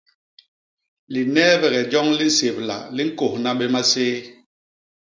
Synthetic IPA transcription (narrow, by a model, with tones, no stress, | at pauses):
li˨nɛː˦βɛ˨ɣɛ˨d͡ʒɔ˦ŋli˦n̩˦se˨p̚la̰˨li˦ŋ̩˦ko˨hna˦ɓɛ˦ma˦seː˦